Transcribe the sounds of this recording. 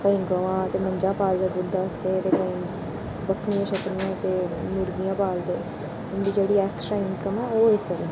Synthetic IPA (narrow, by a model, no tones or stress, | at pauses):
kəĩːɡəʋãːt̪eːməɲd͡ʒãːpaːld̪eːd̪ʊd̪aseːt̪eːkəĩː | bəkʰnɪjãːʃəkɾɪjãːt̪eːnʊɾɡɪjãːpaːld̪eː | ʊnd̪iːd͡ʒeːɽiːɛːkʃɾaːɪŋkəmɛːoːɪsəɾ